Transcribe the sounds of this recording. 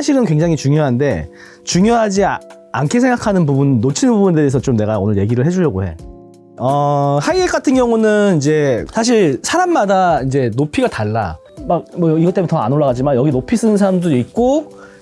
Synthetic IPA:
aɕʰiɾɯnkwe̞ŋd͡ʑaŋit͡ɕuŋjoɦande̞̰ | t͡ɕuŋjoɦad͡ʑi | ankʰe̞sʰeŋɡakʰanɯnpubunːot͡ɕʰinɯnbubunedeesʰʌt͡ɕomne̞ɡao̰nɯɭje̞ɡiɾɯɭɦe̞d͡ʑuʎjʌɡoɦe̞̰ | ʌhaiek͈atʰɯnɡjʌŋunɯnid͡ʑe̞sʰaɕ̬ʰiɭsʰaɾamːadaind͡ʑe̞nopʰiɡataɭːa̰ | mak̚mʌiɡʌt͈emjentʌa̰noɭːaɣad͡ʑimanjʌɡinopʰis͈ɯnɯnsʰaɾamdɯɾik̚k͈o

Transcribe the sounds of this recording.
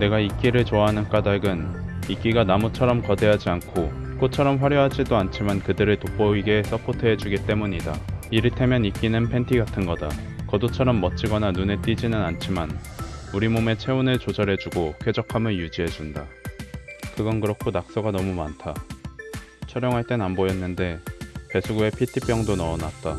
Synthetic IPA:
ne̞ɡaik͈iɾɯɭt͡ɕoaɦanɯnk͈adaɡɯnik͈iɡanamut͡ɕʰʌɾʌmkʌde̞ɦad͡ʑiankʰok͈ot͡ɕʰʌɾʌmɸwaɾjʌɦad͡ʑidoant͡ɕʰimankɯdɯɾɯɭtop͈ʌiɡe̞s͈ʌpʰotʰɯɦe̞d͡ʑuɡit͈e̞muɲida̰iɾitʰe̞mjʌnik͈inɯnpʰe̞ntʰiɡatʰɯnɡʌdakʌdot͡ɕʰʌɾʌmːʌt͡ɕ͈iɡʌnanune̞t͈id͡ʑinɯnant͡ɕʰimanuɾimome̞t͡ɕʰe̞unɯɭt͡ɕod͡ʑʌɾɦe̞d͡ʑuɡokʰwe̞d͡ʑʌkʰamɯɭjud͡ʑiɦe̞d͡ʑunda | kɯɡʌnkɯɾʌkʰonak̚s͈ʌɡanʌmuma̰ntʰa | t͡ɕʰʌɾjʌŋɦaɭt͈e̞nambojʌnːɯnde̞te̞sʰuɡue̞pʰitʰip͈jʌŋdonʌːna̰t̚t͈a

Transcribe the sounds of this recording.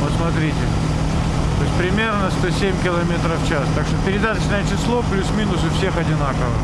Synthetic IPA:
posmɐt̪ɾʲitʲɪ | t̪oɪsʲpɾʲɪmʲe̞rnəst̪osʲemʲkʲɪlˠɐmʲe̞t̪ɾəft͡ɕast̪akʂt̪opʲɪɾʲɪd̪at̪ət͡ɕnəjət͡ɕɪslˠo̞plʲusmʲinʊsɨfsʲe̞xɐdʲɪnakəvə

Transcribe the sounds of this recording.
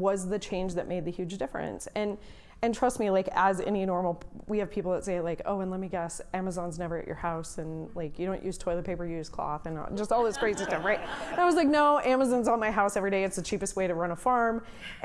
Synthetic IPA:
wʌzðɨt͡ʃʰẽɪ̃nd͡ʒðɨʔ̚meɪd̪̚ðɨhjʉd͡ʒdɪfɹɨ̰̃nsɨ̃n | ɨ̃ntʰɹ̥ʌstmilaɪkəzɛ̰ñinɔɹml̩ˠwiɨv̥pʰipl̩ˠðətseɪlaɪko̰ʊɨ̃nlɛt̚miɡɛsæmɨzɑ̃nznɛvə˞ɨ̰t͡ʃə̰˞haʊsɨ̃nlaɪkjɨɾõʊ̃nʔjʉz̥tʰɔɪlˠət̚pʰeɪpə˞jɨjʉz̥kʰl̥ɔ̰θɨ̃nd͡ʒʌstɔlˠðɪsɡ̥ɹeɪtsɨstʌfɹaɪt̚ɨ̃naɪwʌzlaɪk̚noʊʔæməzɑ̃nzənmaɪɦaʊsɛvɹiɾeɪɨtsðɨt͡ʃʰipɨst̚weɪɾɨɹʌ̃ñəfɑɹm

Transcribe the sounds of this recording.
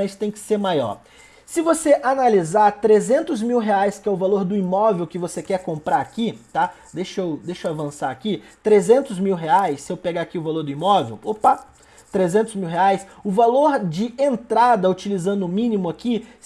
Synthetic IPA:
st̪ẽj̃kɪ̥seɾmajɔ̰ɾ | sɪvoseʔanalizaɾt̪ɾezẽnt̪ʊzmiwɦeajskɪɛʊvaloɾd̪ʊimɔvewkɪvosekɛɾkõmpɾaɾakit̪a | d̪eʃowd̪ejʃowavɐ̃saakit̪ɾezẽnt̪ʊzmiwɦeajsːɪewpeɡaakiʊvaloɾd̪ʊimɔvḛwopa | t̪ɾezẽnt̪ʊzmiwɦeajsʊvaloɾd͡ʒɪẽnt̪ɾad̪ɐut͡ʃilizɐ̃nd̪ʊʊmĩnimʊaki

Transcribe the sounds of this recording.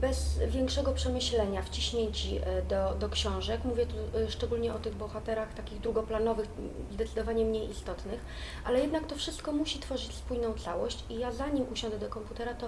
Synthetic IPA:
bɛzvʲjɛŋkʂɛɡɔpʂɛmɘɕlɛɲaft͡ɕiɕɲeɲt͡ɕid̪ɔd̪ɔkɕɔ̃w̃ʐɛkmuvʲjɛt̪uʂt͡ʂɛɡulɲɛʔɔt̪ɘɣbɔxat̪ɛɾaxt̪akʲiɣd̪ɾuɡɔplanɔvɘxzd̪ɛt̪sɘd̪ɔvaɲɛmɲejist̪ɔt̪nɘx | ʔalɛjɛd̪nakt̪ɔfʂɘst̪kɔmuɕit̪fɔʐɘt͡ɕspujnɔ̃w̃t̪sawɔɕt͡ɕijazaɲimʔuɕɔ̃nd̪ɛd̪ɔkɔmput̪ɛɾat̪ɔ

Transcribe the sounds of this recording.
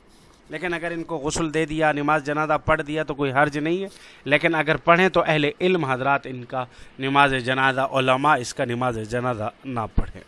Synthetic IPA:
leːkɪnɐɡəɾɪnkoɣʊsld̪eːd̪ijanɪmaːzd͡ʒɐnaːzapɐɽd̪ijat̪okoːiɦɐɾd͡ʒnɐɦĩɦɛleːkɪnɐɡəɾpɐɽ̤ẽt̪oʔɛɦleʔɪlmɦɐzɾaːt̪ɪnkanɪmaːzed͡ʒɐnaːzaʔoːləmaɪskanɪmaːzed͡ʒɐnaːzana̰pɐɽ̤ḛ̃ː

